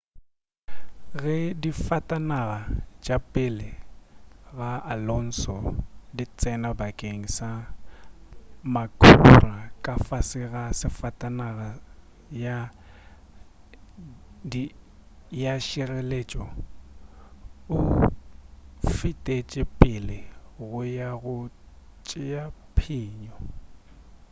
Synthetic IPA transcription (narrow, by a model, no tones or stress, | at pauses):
ɣɛdifatʼanaɣat͡ʃʼapʼɪlɪ | ɣaalɔn̩sɔdit͡sʼɛnabakʼeŋ̩sa | makʰʼurakʼafasɪɣasɪfatʼanaɣa | ja | di | jaʃirɛlet͡ʃʼɔ | ʊ | fitʼet͡ʃʼɪpʼɪlɪɣʊjaɣʊ | t͡ʃʼɪjapʰiːɲɔ